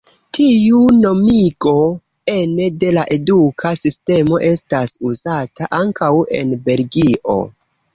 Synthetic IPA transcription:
tʰijuno̞miɡo̞ | e̞ne̞de̞laʔe̞dukʰasiste̞mo̞ʔe̞stasuzataʔaŋkʰawe̞̰nbe̞lɡiʔo̞̰

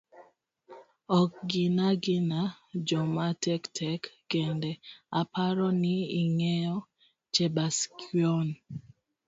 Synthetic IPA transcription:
ɔk̚ɡɪnaɡɪna | d͡ʒɔmatɛktʰɛkːɛndɛapaɾɔniiŋɛjɔ | t͡ʃebaskiɔn

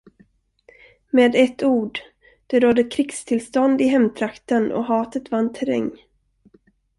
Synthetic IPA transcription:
meːd̪ɛt̪ːuːɖ | d̪̥ɛɾɔd̪ːəkʰɾɪkst̪ʰɪlst̪ɔnd̪ɪɦɛmt̪ʰɾakt̪ənɔ̰ɦɑːt̪ət̪vanːt̪ʰɛɾɛ̰ŋː

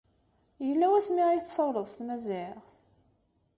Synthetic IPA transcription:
jəlːæwæsmiʁijθsˤəwɾˤəðˤst̪mæzɪʁθ

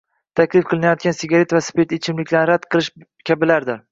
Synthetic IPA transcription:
t̪ʰakʲlɪfqʰɨlˠɪnajɒt̪̚ɡʲansɪɡʲaɾe̞t̪vaspet̪et͡ʃʰɪmlɪkʲʰlaɾɾad̪qʰɨlˠɪʃ | kʲʰabɪlaɾd̪ɪɾ

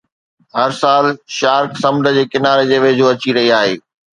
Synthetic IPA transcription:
ɦɐɾsaːlʃaːɾksɐ̃md̪ʱə̆d͡ʑeːkɪnaːɾed͡ʑeːʋeːd͡ʑoːɐt͡ɕiɾɐɦiaːɦeː

